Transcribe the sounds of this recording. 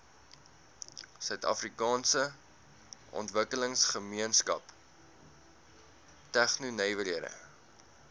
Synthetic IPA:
sœɥtɐ̰frikɑːnsə | ʔɔ̰ntvəkələŋsχəmiənskɐ̰p | tæχnunɛjvəliəɾə̰

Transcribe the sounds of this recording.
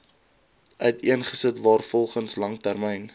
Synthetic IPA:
ʔœɥtiənχəsətvɑːrfɔlˠχənslɐŋtærmɛjn

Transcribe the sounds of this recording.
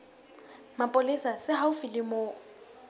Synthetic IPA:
mapʼʊlɪsasɪɦaʊfilɪmo

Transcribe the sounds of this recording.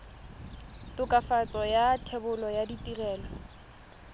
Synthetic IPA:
tʊkʼafat͡sʼɔjatʰɛbʊlɔjaditʼirɛːlɔ

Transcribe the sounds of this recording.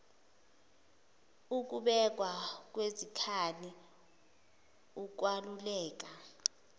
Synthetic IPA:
uk̬ʼuɓɛk̬ʼwak̬wezikʰani | uk̬walulɛːk̬a

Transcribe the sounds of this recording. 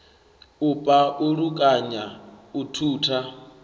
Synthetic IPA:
upʼaʔuɺukʼaɲautʰuːtʰa

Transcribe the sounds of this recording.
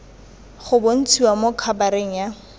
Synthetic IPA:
χʊbon̩t͡sʰiwamokʰabaɾeŋ̩ja

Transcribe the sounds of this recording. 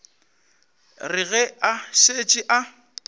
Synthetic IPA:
rɪɣɛaʃet͡ʃʼɪʔa

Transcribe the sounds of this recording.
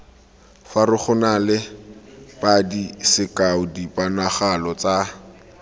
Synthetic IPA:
farɪχʊnalɪ | pʼadisɪkaʊdipʼanaχalɔt͡sa

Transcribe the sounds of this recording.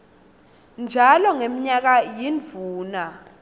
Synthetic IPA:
nd͡ʒʱalɔŋemiɲak̬ajinvʱuːna

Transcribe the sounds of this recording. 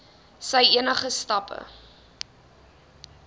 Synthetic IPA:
sɛjiənəχəstɐpʰə̰

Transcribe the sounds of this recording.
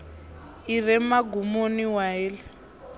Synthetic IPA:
irɛmaɡumoniwaɛːlɛ

